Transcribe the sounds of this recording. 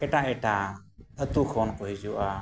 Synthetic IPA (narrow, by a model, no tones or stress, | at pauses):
ɛʈaʔɛʈaət̪ukʰɔnkɔɦid͡ʒuʔa